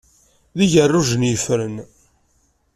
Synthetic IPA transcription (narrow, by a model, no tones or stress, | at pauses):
ðiʝərːuʒənjəfɾən